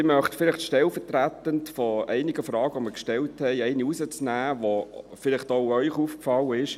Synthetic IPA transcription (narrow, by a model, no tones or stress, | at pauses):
ɪmœχtfɪlɪχtʃtɛlfəɾtɾætəntfɔʔɛɪnɪɡəfɾɑːɡəʋoməɾkʃtɛlthɛɪɛɪniusət͡snæːʋofɪlɪχtoʊœʏχuːfkfɑlːəɪʃ